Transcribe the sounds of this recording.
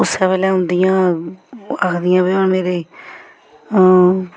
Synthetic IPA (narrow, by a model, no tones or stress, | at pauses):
ʊsːɛpɛːlɛːɦʊ̃nd̪ɪjãː | akʰd̪ɪjãːbɪaːneːɾeː